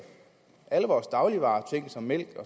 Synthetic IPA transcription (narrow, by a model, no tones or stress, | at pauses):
ʔæləʋɒːsd̥ɑ̈ʊliʋɑ̈ːt͡sʰe̝ŋ̰sɒ̽mːel̰ɡ̥ɒ̽